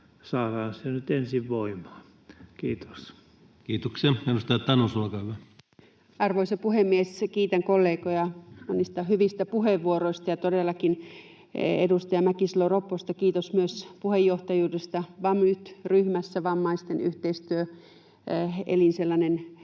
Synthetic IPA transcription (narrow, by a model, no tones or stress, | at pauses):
sɑːrɑːnsenyt̪ensiʋʋoimɑ̥ː | kiːt̪o̥s | kiːt̪okseedust̪ɑjɑt̪ɑnusuokɑyʋæ | ɑrʋoisɑpuhemːieskiːt̪æŋkolːeːkojɑmonist̪ɑhyʋist̪æpuheʋʋuoroist̪ɑjɑt̪odelːɑkin | ḛdust̪ɑjɑmækisloropːost̪ɑkiːt̪osmyøspuhejːoht̪ɑjuːdest̪ɑʋɑmːyt̪ryhmæsːæʋɑmːɑist̪eny̰ht̪eist̪yø | ḛlinselːɑnen